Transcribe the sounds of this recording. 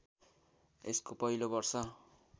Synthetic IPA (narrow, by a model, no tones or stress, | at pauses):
ḛskopʌjlobʌrsʌ